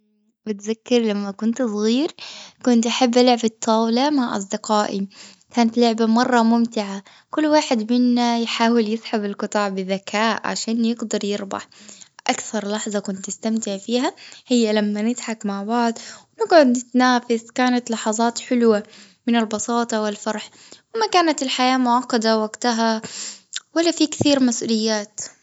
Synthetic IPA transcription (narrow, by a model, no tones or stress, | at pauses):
bɪt̪zakːɪɾlamːakʊnt̪sˤɣiːɾkʊnt̪ʔaħabːʔalʊʕbɪt̪ˤʰːɑːwlamaʕʔɑ̰s̬ˤd̪ɪqɑːʔi | kaːnat̪lʊʕbamɑrˤːɑmʊmt̪ɪʕa | kʊlːwaːħɪd̪mɪnːajħaːwɪljɪsħabɪlqɨt̪ˤɑʕbɪðakʰaːʔʕa̰ʃaːnjɪɡd̪ɑɾˤjɪɾbɑ̰ħʔakθɑɾˤlɑħzˤɑkʊnt̪nɪst̪amt̪ɪʕfiːɦahɪjːalamːanɪt̪ħakmaʕbɑʕd̪ˤwɪnɪɡʕʊd̪nɪt̪naːfɪskaːnat̪lɑħɑzˤɑːt̪ħʊlwa | mɪnɪlbɑsˤɑːt̪ˤɑwɪlfɑɾˤħ | wɪmakaːnat̪ɪlħajaːmʊʕɑqːɑd̪awaɡt̪aɦa | walːafikθiːɾmasʔṵːlɪjːaːt̪